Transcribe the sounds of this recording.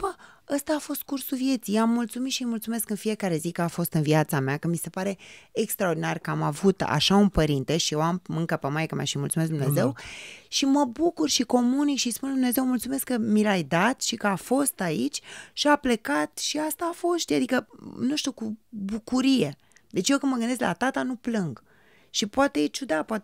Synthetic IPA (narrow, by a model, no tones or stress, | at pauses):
b̥əəst̪aːfo̞st̪̚kursuvje̞t̪sijamːult̪sumit̪ʃimult̪sume̞skɨnfije̞kaɾe̞zikəafo̞st̪ɨnviat̪sameakəmise̞paɾe̞ːkst̪ɾaord̪inarkəamavut̪a̰ʃaunpəɾint̪eʃijewamɨŋkəpemajkəma̰ʃimult̪sume̞s̬d̪umne̞ze̞wʃiməbukurʃiko̞munikʃispund̪umne̞ze̞wmult̪sume̞skːəmilajd̪at̪ʃikəafo̞st̪ait͡ʃʲʃiaple̞kat̪ʃiast̪aːfo̞sʃt̪ad̪ikənuʃt̪ukubukuɾije̞ | d̪̥e̞t͡ʃjekɨnməɡɨnd̪est̪lat̪at̪anuplɨŋɡ | ʃipoat̪e̞jet͡ʃud̪apoat̪